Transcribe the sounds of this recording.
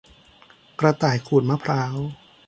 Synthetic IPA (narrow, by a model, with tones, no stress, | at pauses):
kɾa˧t̪aː˨˩jkʰuː˨˩t̪̚ma˦˥pʰɾaː˦˥w